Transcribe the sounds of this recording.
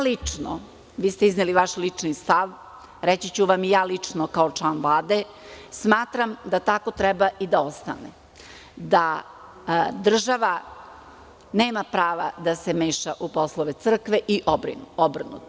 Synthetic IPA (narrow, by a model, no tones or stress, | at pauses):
lit͡ʂno̰ | ʋiːst̪eizneliʋaʃlit͡ʂnist̪aʋ | ɾet͡ɕit͡ɕuʋamijaːlit͡ʂnokaot͡ʂlˠaːnʋlˠaːd̪e̞ | smaːt̪ɾamd̪at̪ako̞t̪ɾɛbaʔid̪ao̞st̪a̰ne | d̪a | d̪r̩ʒaʋa | neːmapɾaːʋad̪ase̞meːʃaʔupo̞slˠoʋe̞t̪sr̩kʋeʔiʔbobr̩nṵt̪